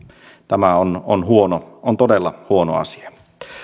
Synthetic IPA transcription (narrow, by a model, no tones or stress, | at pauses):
t̪æmæononhuonoont̪odelːɑhuono̰ɑ̰si̥ɑ